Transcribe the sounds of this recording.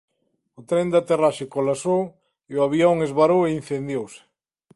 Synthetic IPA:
ʊt̪ɾend̪at̪eraʃɪkolasow | eʊaβioŋezβaɾowein̟θend̪jowsɪ̥

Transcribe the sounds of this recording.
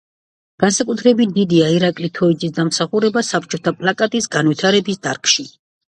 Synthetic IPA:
ɡ̥ansakʼut̪ʰɾɛbit̪̚ʰd̪id̪iaiɾakʼlit̪ʰɔid̪zʼisd̪amsaχuɾɛbasapʰt͡ʃʼɔt̪ʰapʼlˠakʼat̪ʼisɡanvit̪ʰaɾɛbisd̪aɾkʰʼʃi

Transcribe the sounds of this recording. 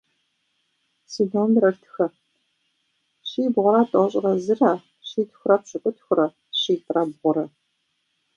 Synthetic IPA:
siːdoːmɾɐrtʰɨ̥xɐ | ɕiːbʁʷʊɾaːtʼɐʁɕʼɪʁɐzɨrɐ | ɕiːtʰxʷʊrɐpɕʼɨkʷʼʊtʰxʷʊɾɐ | ɕiːtʼrɐbʁʷʊɾɐ

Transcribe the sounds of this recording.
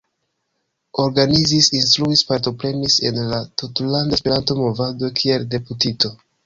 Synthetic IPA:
o̞ɾɡanizisinst̪ɾuispaɾto̞pɾe̞mise̞̰nlatutlandaspeɾanto̞mo̞vado̞kʰie̞lde̞putito̞

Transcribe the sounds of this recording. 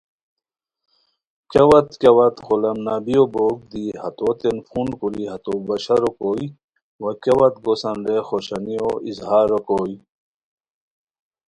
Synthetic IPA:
kɐwɐt̪kɐwɐt̪xolɐmnabijoboɡ̚d̪ihɐt̪ot̪enfunkuliɦɐt̪obɐɕɐɾokoːj | wɐkewɐt̪ɡosɐnɾexoɕɐnijoizhaːɾokoːj

